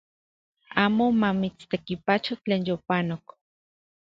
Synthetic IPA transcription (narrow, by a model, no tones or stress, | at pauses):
aːmomamit͡st̪ekipat͡ʃot͡ɬeːnjopanok